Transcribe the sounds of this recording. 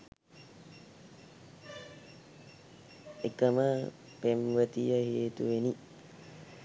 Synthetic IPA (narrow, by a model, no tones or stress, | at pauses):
ekəmə | pemʋət̪ijəheːt̪uʋeni